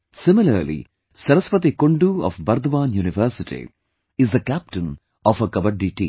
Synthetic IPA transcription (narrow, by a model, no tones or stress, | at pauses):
sɪmilɐ̰ɾlḭ | sɐɾɐspɐt̪ikoɳɖuɔ̰fbɐɾd̪ʋaːnjuːniʋəɾsitḭ | izd̪ɐkæp̚ʈɨ̃n | ɔfɐkɐbɐɖiʈḭ